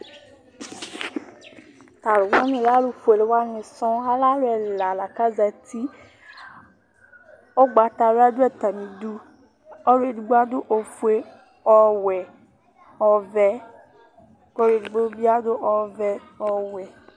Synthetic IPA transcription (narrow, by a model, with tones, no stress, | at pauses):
t̪a˨lo˨wa˦mĩ˨la˦lu˨fu˨e˨le˨˦wa˦mẽ˨sɔ̃˦a˦la˦lo˦ɛ˨la˨la˨ka˦za˨t̪i˦ | o˦ɡ͡ba˨t̪a˨lo˦a˦do˦ɛ˨t̪a˨mĩ˨du˦ | ɔ˦le˨du˨ɡ͡ba˦d̪o˦ʔo˨fu˦e˦ | ɔ˦wɛ˨ | ɔ˨vɛ˦ | kɔ˦ɾe˨du˨ɡ͡bo˦bi˦a˦d̪o˦ʔɔ˦vɛ˦ | ɔ˦wɛ˨